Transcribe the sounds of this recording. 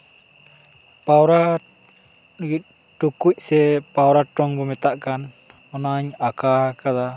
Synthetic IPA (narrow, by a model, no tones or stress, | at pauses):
pawɾa | ɡit̪̚ | ʈukuc̚ˀsɛpawɾaʈɔŋbɔmɛt̪aʔkan | ɔnaɲakakad̪a